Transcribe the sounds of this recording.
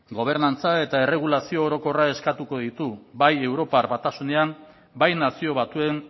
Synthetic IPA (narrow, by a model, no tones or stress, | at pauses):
ɡo̞β̞e̞ɾnant͡sae̞t̪aere̞ɣ̞ulasio̞ːɾo̞ko̞rae̞skat̪uko̞ðit̪ubaje̞wɾo̞paɾβat̪asune̞am | bajnasio̞βat̪ue̞n